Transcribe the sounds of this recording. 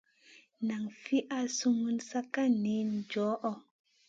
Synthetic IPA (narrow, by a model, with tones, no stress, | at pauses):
na˨ŋfi˦ʔa˦su˦ŋu˦nsa˦ka˦ni˨˦nd͡ʒɔ˨˦ʔɔ˦